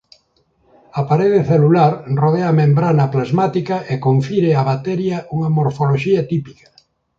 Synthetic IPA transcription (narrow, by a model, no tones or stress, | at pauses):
apaɾeðeθelulaɾroð̞eamẽmbɾanaːplazmat̪ikɐʔekoɱfiɾeaβat̪eɾjɐʔuŋɐmoɾfoloʃiɐt̪ipikɐ̥